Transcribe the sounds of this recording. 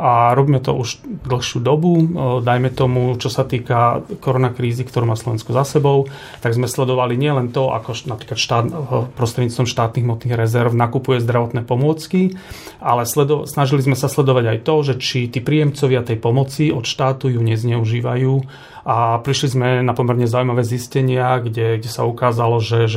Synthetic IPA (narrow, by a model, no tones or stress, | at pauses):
aɾɔbiːmɛt̪ɔ̰ʔuʒd̪l̩xʃɪuːd̪ɔbud̪ajmɛt̪ɔmut͡ʃɔsat̪iːkakɔɾɔnakɾiːzikt̪ɔɾuːmaːslɔʋɛnskuzasɛbɔʊ | t̪aɡzmɛslɛd̪ɔʋaliɲɪɛlɛnt̪ɔa̰kɔʃnapɾiːklat̪ʃt̪aːd̪pɾɔst̪ɾɛd̪ɲiːt͡st̪ʋɔmʃt̪aːt̪niɣmɔt̪niːɣɾɛzɛɾvnakupujɛzd̪ɾaʋɔt̪nɛːpɔmʊɔt͡ski | ʔalɛslɛd̪ɔsnaʒilizmɛsaslɛd̪ɔʋaɟajt̪ɔʒɛt͡ʃit̪iːpɾiːjɛmt͡sɔʋɪat̪ɛjpɔmɔt͡siɔt̪ʃt̪aːt̪ujuɲɛzɲɛuʒiːʋajuː | ʔapɾiʃlizmɛnapɔmɛɾɲɛzaujmaʋɛːziscɛɲɪaɡɟɛɡɟɛsaukaːzalɔʒɛʒ